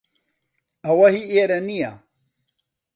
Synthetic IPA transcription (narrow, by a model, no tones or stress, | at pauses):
ɐwɐɦieɾɐnija̰